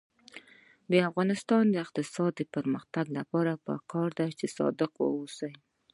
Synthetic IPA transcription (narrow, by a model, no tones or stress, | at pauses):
d̪əafɣɑnɪst̪ɑnd̪əɪqt̪ɪsɑd̪̚ːəpəɾməxt̪aɡlapɑɾapə̰kʰɑɾd̪ajt͡ʃesɑ̰d̪ɪqwə̰usaj